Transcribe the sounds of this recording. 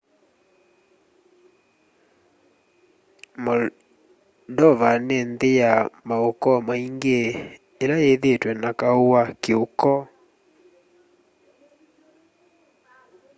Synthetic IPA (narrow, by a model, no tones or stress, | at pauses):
mɔ | dɔvanendejamaokɔmaiŋɡeː | laeðetwɛnakaowakeokɔ